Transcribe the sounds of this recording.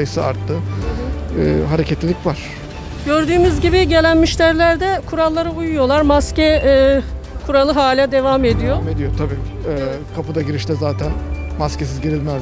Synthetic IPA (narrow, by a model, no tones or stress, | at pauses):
jɯsɯa̰ɾt̪ʰːɯ | ɛɦaɾecʰɛt̪lʲilʲicʲvaɾ̥ | ɟø̞ɾd̪yːmyzɟibiɟe̞lʲænmiʃlʲæɾlʲæɾd̪ɛkʰuɾalˠːaɾɯujujo̞lˠaɾmascɛː | kʰuɾalˠɯɦaːlʲad̪e̞vame̞d̪ijoed̪ijot̪ʰabiː | ɛkʰapɯd̪aɟiɾiʃt̪ʰɛzaːt̪ʰænmascesizɟiɾilʲmæ